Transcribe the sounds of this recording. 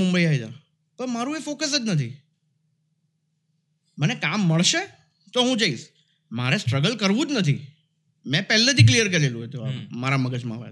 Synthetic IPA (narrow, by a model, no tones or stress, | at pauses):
ʊ̃mbəiaid̪a̰ | pəɾmaɾũefokəs̬əd͡ʒnət̪ʰi | mənekamːəɭʃe | t̪oɦũd͡ʒaiʃ | maɾesʈɾəɡəlkəɾʋũd͡ʒnət̪ʰḭ | mɛ̃pɛlːet̪ʰiklijəɾk̬əɾelũɦet̪oa̰maɾaməɡəd͡ʒmã̰ʋa̰t̪